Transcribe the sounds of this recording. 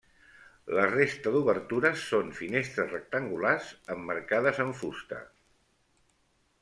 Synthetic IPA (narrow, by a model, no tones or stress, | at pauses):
lərest̪əðuβəɾt̪uɾəsːonfinest̪ɾəzrək̚t̪əŋɡulazəmːəɾkaðəzəɱfust̪ə̰